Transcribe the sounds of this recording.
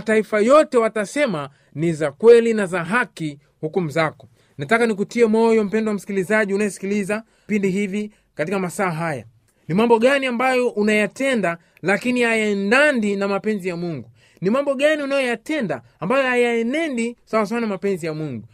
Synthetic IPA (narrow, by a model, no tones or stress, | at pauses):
ataifajɔtɛwatasɛma | nizakwɛlinazaɦaki | hukum̩zakɔ | natakanik̬utiɛmɔjɔm̩pɛndɔwam̩si̥kilizaʄiunajɔsi̥kiliza | pindiɦivi | katikamasaːɦaja̰ | nimambɔɠaniambajɔʔunajatɛnda | lakinihajandandinamapɛnzijamuŋɡu | nimambɔɠaniunajɔjatɛndaːmbajɔhajaɛnɛndisawas̬aanamapɛnzijamuŋɡu